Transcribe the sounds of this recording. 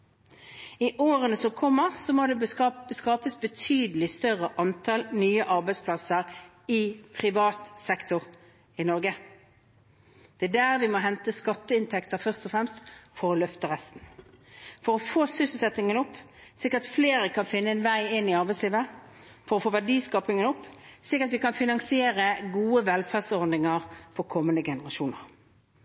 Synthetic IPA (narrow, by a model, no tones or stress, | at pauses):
ɪʔoːʁənəsɔkʰɔmːəʁsɔmod̪ɛskɑːpəsbət̪ʰyːd̪əlɪst̪œʁəʔɑnt̪ʰɑlnyːəʔɑʁbæɪspʰlɑsəɾ | ɪpʰʁɪʋɑːt̪sɛkt̪ʊʁ | ɪnɔʁɡə | d̪̥ɛæd̪æːʁʋɪmɔɦɛnt̪əskɑt̪ːəɪnt̪ʰɛkt̪əʁfœʁst̪ɔfɾɛmst̪fɔɾɔlœft̪əʁɛst̪n̩ | fɔʁɔfoːsʏsəl̩sɛt̪nɪŋənʊpːsɪkːəʁt̪fleːɾəkʰɑnfɪnːəɛnʋæɪɪnːɪɑʁbæɪsliːʋə | fɔʁɔfoːʋæʁɖiːskɑːpɪŋənʊpːsɪkːəʁɑt̪ʋɪkɑnfɪnɑŋsɪeːʁəɡuːəʋɛlfæʁsɔʁd̪nɪŋəʁfɔʁkʰɔmːənd̪əɡɛnəʁɑʃuːnəʁ